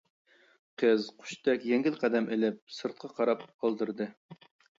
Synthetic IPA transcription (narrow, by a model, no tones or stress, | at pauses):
qʰəzqʰʊ̥ʃt̪ɛkʲjɛŋɡʲɪlˠqʰæd̪ɛmelɪp̚sɨɾt̪̚qʰɑqʰɑɾɑpɑlˠd̪ɨɾd̪ɨ